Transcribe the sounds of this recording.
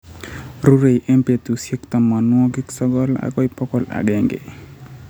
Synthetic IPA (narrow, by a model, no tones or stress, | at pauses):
ɾuɾejʔempet̪usikt̪amːanuɔɡiksɔɡɔla̰ɡɔjpɔkɔla̰ɡeŋɡḛ